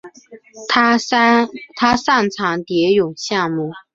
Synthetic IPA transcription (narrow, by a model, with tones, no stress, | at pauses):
t̪ʰa˥ʂa˥˩ŋʈ͡ʂʰɑ˧˥ŋt̪jɛ˧˥jʊ˨˩ŋɕjɑ˥˧ŋmu˥˩